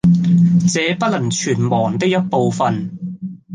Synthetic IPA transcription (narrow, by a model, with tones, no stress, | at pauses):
t͡sɛː˨˧pɐ˥t̚lɐ˨˩ŋt͡ʃʰyː˨˩nmɔː˨˩ŋt̪ɪ˥k̚jɐ˥t̚po˨˧wfɐ˨n